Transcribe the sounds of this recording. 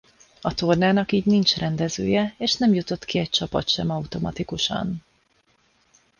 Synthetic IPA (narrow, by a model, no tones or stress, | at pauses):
ɒt̪o̞rnaːnɒkiːɟnint͡ʃrʔɛnd̪ɛzø̰ːjɛeːʃnɛmjut̪o̞t̪kiɛc̚t͡ʃɒpɒ̰t̪ʃɛmɒut̪o̞mɒt̪ikuʃɒ̰n